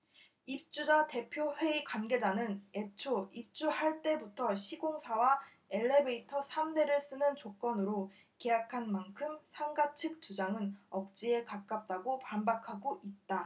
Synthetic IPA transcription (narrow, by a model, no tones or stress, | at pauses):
ip̚t͡ɕ͈ud͡ʑate̞pʰjoɸwe̞ikwanɡe̞d͡ʑanɯne̞t͡ɕʰoip̚t͡ɕ͈uhaɭt͈e̞butʰʌɕʰiɡoŋsʰawa | e̞ɭːe̞be̞itʰʌsʰamde̞ɾɯɭs͈ɯnɯnt͡ɕok͈̚ʌnɯɾo | ke̞jakʰanmankʰɯmsʰaŋɡat͡ɕʰɯk̚t͡ɕ͈ud͡ʑaŋɯnʌp̚t͡ɕ͈ie̞kak͈̚ap̚t͈aɡopambakʰaɡoʔit̚t͈a